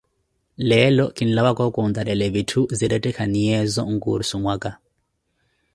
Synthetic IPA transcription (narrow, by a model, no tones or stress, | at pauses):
lɛlɔkinilaβakɔkund̪aɾɛlɛβitʰuziɾɛtʼɛkʰaniɛzɔ̰ŋkṵɾsumwaka